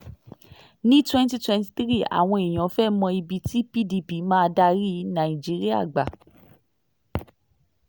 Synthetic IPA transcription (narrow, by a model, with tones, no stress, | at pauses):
nĩ˦twɛ̃˦nti˦twɛ̃˧nti̥˧tɾi˦˨a̰˨w̃ɔ̃˧e˨j̃ɔ̃˨˦fɛ˦mɔ̃˧i˧bi˨˧ti˦pi˦di˧pi˨˦mãː˦˧da˧ɾi˦nã˨ĩ˨d͡ʒi˨˦ɾi˦a̰˦˨ɡ͡ba˨